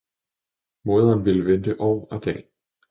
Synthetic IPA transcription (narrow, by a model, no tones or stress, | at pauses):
mo̝ːðˠɐːnʋiləʋend̥əʔɒ̰ːæd̥ɛ̰ː